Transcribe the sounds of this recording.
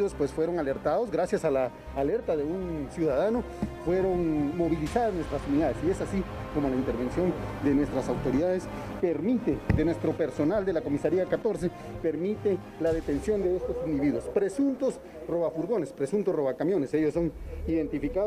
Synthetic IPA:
ospwe̞sfwe̞ɾo̞ŋale̞ɾt̪aðo̞zɡɾasjasalaː | le̞ɾt̪aðe̞unsjuðaðano | fwe̞ɾo̞ŋmo̞βilisaðanwest̪ɾasuniðaðesie̞sasiko̞molaint̪e̞ɾβe̞nsjo̞nd̪e̞nwe̞st̪ɾasawt̪o̞ɾiðaðes | peɾmit̪ekenwest̪ɾo̞pe̞ɾso̞nald̪e̞lako̞misaɾiakat̪o̞ɾse̞ | pe̞ɾmit̪e | laðe̞t̪e̞nsjo̞nd̪e̞est̪o̞sind̪iβiðwospɾe̞sunt̪os | ro̞βafuɾɣo̞ne̞spɾe̞sunt̪oro̞βakamjo̞ne̞se̞ʝosːo̞niðe̞nt̪ifika

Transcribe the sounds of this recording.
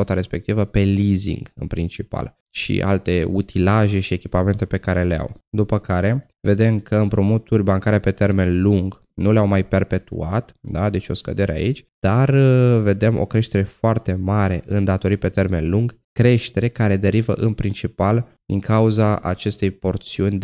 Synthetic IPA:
ot̪aɾe̞spe̞k̚t̪ivəpe̞lizḭŋɡɨ̰npɾint͡ʃipa̰l | ʃḭʔa̰lt̪e̞ut̪ʰilaʒe̞ʃie̞kʲipame̞nt̪e̞pe̞kaɾe̞lea̰wd̪upəkaɾe̞ | ve̞d̪e̞mkʰəɨmpɾomot̪urʲbaŋkaɾepe̞t̪e̞rme̞nluŋɡ | nuleawmajpe̞rpe̞t̪ṵat̪d̪ad̪e̞t͡ʃo̞skə̰d̪e̞ɾea̰it͡ʃʲd̪̥arve̞d̪e̞mo̞̰kɾe̞ʃt̪e̞ɾe̞foart̪e̞maɾe̞ʔɨnd̪at̪o̞ɾit̪̚pe̞t̪e̞rme̞nluŋɡ | kɾe̞ʃt̪e̞ɾe̞kaɾe̞d̪e̞ɾivə̰ʔɨnpɾint͡ʃipal | d̪̥iŋkauzaa̰t͡ʃe̞st̪e̞jpo̞rt̪siunʲd̪

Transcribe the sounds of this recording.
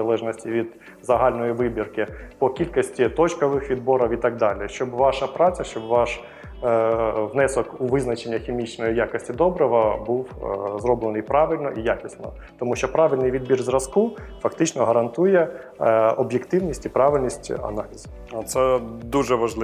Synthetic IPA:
ɐlˠɛʒnɔsʲtʲiʋʲid̪ | zɐɦɑlʲnɔjiʋɪbʲirkɪpɔkʲilʲkɔsʲtʲit̪ɔt͡ʃkɔʋɪxʋʲid̪̚bɔɾɔwit̪ɑɡ̚d̪ɑlʲɪʃt͡ʃɔbʋɑʃɐpɾɑt͡sʲɐʃt͡ʃɔbʋɑʃ | ʋnɛsɔkuʋɪznɐt͡ʃenʲːɐxʲimʲit͡ʃnɔjijakɔsʲtʲid̪ɔbɾɔɦɔbuwzɾɔblˠenɪjpɾɑʋɪlʲnɔʔijakʲɪsnɔ̰ | t̪ɔmuʃt͡ʃɔpɾɑʋɪlʲnɪjʋʲid̪̚bʲirzrɐskufɐkt̪ɪt͡ʃnɔɦɐɾɐnt̪ujɛ | ɔbjekt̪ɪwnʲisʲtʲipɾɑʋɪlʲnʲisʲtʲɐ̰nɑlʲizɐ | ɐt̪sɛd̪uʒɛʋɐʒlˠɪ

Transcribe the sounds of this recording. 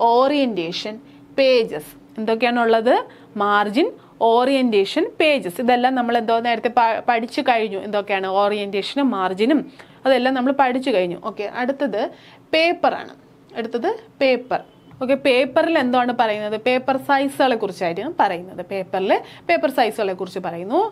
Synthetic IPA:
o̞ːrijɐndeːʂɐn | pe̞ːd͡ʑɐs | e̞nd̪o̞k̬ːejaːɳuɭːɐðɨ | maːrd͡ʑin | o̞ːrijɐndeːʂɐnpe̞ːd͡ʑɐsiðe̞lːaːmnɐmːɐɭe̞nd̪o̞ːne̞ːɾɐt̪ːepɐpɐɽʰit͡ɕːukɐɻiɲːuʔe̞̰nd̪o̞kːejaːɳɨo̞ːrijɐndeːʂɐnumːaːrd͡ʑinum | ɐðe̞lːaːmnɐmːɐɭpɐɽʰit͡ɕːukɐɻiɲːṵʔo̞ːkːe̞ʔɐɽut̪ːɐðɨ | pe̞ːpːɐra̰ːɳɨ̰ | ɐɽut̪ːɐðɨpe̞ːpːɐr | o̞ːkːe̞pe̞ːpːɐrile̞nd̪oːaːɳɨpɐrɐjunːɐðɨpe̞ːpːɐrsɐjsɨɣɐɭe̞kːurit͡ɕːaːjiɾuɐmpɐrɐjunːɐðɨpe̞ːpːɐrilpe̞ːpːɐrsɐjsɨɣɐɭe̞kːurit͡ɕːɨpɐrɐjunːu

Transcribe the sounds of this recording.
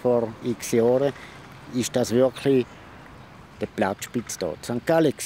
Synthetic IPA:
fɔʁiksjɔːɾə | ɪʃd̥asvɪɐkʰli | d̥əplat͡sʃpit͡sd̥ɔ̰ːsaŋkːalək

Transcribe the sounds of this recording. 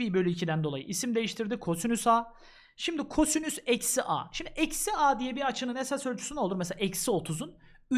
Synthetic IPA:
bibølʲyicʰid̪ænd̪o̞lˠa̰jɯ̰ʔisimd̪e̞jiʃt̪ʰiɾd̪ikʰo̞synysaː | ʃimd̪ikʰo̞synysɛcsiʔa̰ːʃimd̪iʔɛcsiaːd̪ijɛbiat͡ʃʰɯnɯnesasølʲt͡ʃʰysynolˠuɾmesela̰ʔɛcsio̞t̪ʰuzun | y

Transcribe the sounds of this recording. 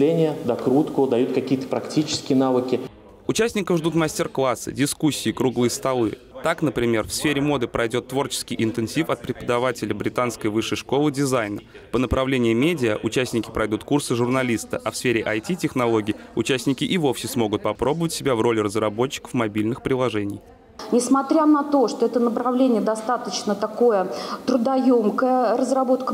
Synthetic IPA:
lʲenʲɪjəd̪ɐkɾut̪kʊd̪ɐjut̪kɐkʲijət̪ə̥pɾɐktʲit͡ɕɪ̥skʲɪjənavɨkʲɪ | ʊt͡ɕæsʲnʲɪkəvʐd̪ut̪masʲtʲɪrklˠasːɨ̰dʲɪskusʲːɪːkɾuɡlˠɨjəst̪ɐlˠɨ | t̪aknəpɾʲɪmʲe̞rfsfʲeɾʲɪmo̞d̪ɨpɾɐjdʲo̞t̪ːvo̞rt͡ɕɪ̥skʲɪjʔɪnt̪ɨnsʲifɐt̪̚pɾʲɪpəd̪ɐvatʲɪlʲəbɾʲɪt̪anskəjvɨʂːəjʂko̞lˠɨdʲɪzajnə | pənəpɾɐvlʲenʲɪɪmʲedʲɪəʔʊt͡ɕæsʲnʲɪkʲɪ̥pɾʔɐjd̪ut̪kursɨʐʊrnɐlʲist̪əʔɐfsfʲeɾʲɪʔɐjtʲitʲɪxnɐlˠo̞ɡʲɪːʊt͡ɕæsʲnʲɪkʲɪʔɪvo̞fsʲɪsmo̞ɡʊt̪̚pɐpɾo̞bəvətʲsʲɪbʲavro̞lʲɪrəzrɐbo̞t͡ɕːɪ̥kə̥fmɐbʲilʲnɨxpɾʲɪlˠɐʐɛnʲɪ̰j | nʲɪsmɐt̪ɾʲanɐt̪o̞ʂt̪oɛt̪ənəpɾɐvlʲenʲɪjəd̪ɐst̪at̪ət͡ɕnət̪ɐko̞jət̪ɾʊd̪ɐjomkəjərəzrɐbo̞t̪kə

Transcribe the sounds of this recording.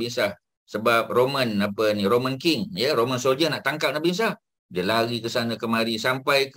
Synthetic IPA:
insah | səbap̚romənapəniɾomənkiŋjəɾomənsold͡ʒənaʔt̪aŋkap̚naʔbins̬ah | dəlaɣikəsanəkəmaɾisampajk

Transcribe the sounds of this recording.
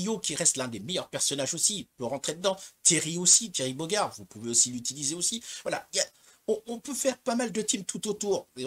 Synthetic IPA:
ijokʲiʁɛst̪lɛ̃d̪emejœʁpɛʁsɔnaʒosipøʁɑ̃t̪χed̪əd̪ɑ̃t̪jeʁiosit̪jeʁibɔɡaʁvupuveosilyt̪ilizeosivwala̰ia | ɔ̃ɔ̃pøfɛʁpamald̪ət̪imt̪ʰut̪ot̪uːʁe

